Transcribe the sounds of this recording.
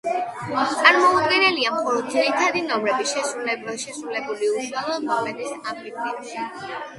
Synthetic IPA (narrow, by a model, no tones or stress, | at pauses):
t̪ʼaɾmɔud̪ɡɛnɛliamχɔɾɔd̪ziɾit̪ʰad̪inɔmɾɛbiʃɛsɾulɛʃɛsɾulɛbuliuʃwɛlɔmɔmɛd̪isamɾipʰʼiʃi